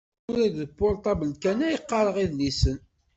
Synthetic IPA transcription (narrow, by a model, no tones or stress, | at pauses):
ʊɾæðəbːolt̪ˤɑbəlkænæjəqːɑɾˤəʁiðnisən